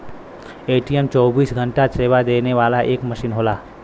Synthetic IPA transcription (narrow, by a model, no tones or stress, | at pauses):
eːʈiɛmt͡ʃɔːbiːsɡʱə̃ɳʈaseːʋad̪eːneʋaːlaʔeːkmɐʃiːnɦoːlaː